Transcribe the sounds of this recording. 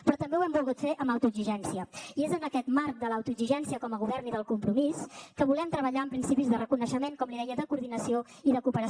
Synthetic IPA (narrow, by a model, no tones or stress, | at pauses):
pɾɔt̪əmbewɛmbulˠɣut̪feʔəməwt̪uəɡziʒɛnsiəiezənəkɛt̪maɾk̚d̪əlawt̪uziʒɛnsiəkɔməɣ̞uβ̞ɛrniðəlˠkumpɾumiskəβulɛmt̪ɾəβ̞əʎaəmpɾinsipizðərəkunəʃəmeŋkɔmliðɛjəðəkuɾðinəsio | iðəkupəɾə